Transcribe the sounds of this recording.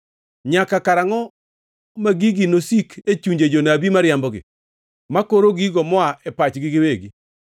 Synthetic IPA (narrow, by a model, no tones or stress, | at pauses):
ɲakakaɾaŋɔ | maɡiɡinosikʰet͡ʃuɲd͡ʒed͡ʒonabimaɾjambɔɡɪ̰ | makoɾoɡiɡɔmɔaʔɛpat͡ʃɡiɡɪweɡi